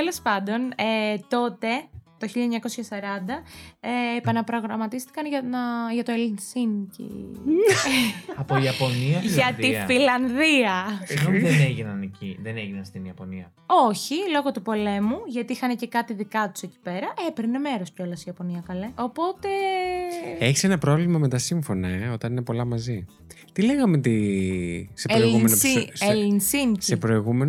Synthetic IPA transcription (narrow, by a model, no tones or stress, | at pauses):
elospɐnd̪o̞net̪o̞t̪e̞t̪oçiʎɐɲɐko̞sçɐsɐɾɐnd̪ɐeːpɐnɐpɾo̞ɣɾɐmɐt̪ist̪i̥kɐnʝɐɐʝɐt̪oelinsincḭ | ɐpoiɐpo̞niɐʝɐt̪ifilɐnðiɐðeneʝinɐnecḭðeneʝinɐnst̪iniɐpo̞niɐ̰ | o̞çilo̞ɣo̞t̪upo̞le̞muʝɐt̪iixɐnece̞kɐt̪iðikɐt̪u̥seci̥pe̞ɾɐʔepɾine̞me̞ɾosceolɐsiɐpo̞niɐkɐleo̞po̞t̪e̞ | e̞çisenɐpɾo̞vlimɐme̞t̪ɐsiɱfo̞nɐeo̞t̪ɐnine̞po̞lɐmɐzi | t̪ileɣɐmet̪i | seɾoɣumenoielinsiɲsiepɾo̞iɣumen